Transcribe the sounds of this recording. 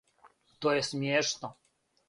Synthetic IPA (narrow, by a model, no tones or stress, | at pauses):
t̪ɔjɛst̪mʲjɛʂnɔ